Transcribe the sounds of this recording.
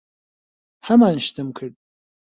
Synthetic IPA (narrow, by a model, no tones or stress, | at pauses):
ħamanʃtʰɨmkʰɨrtʼ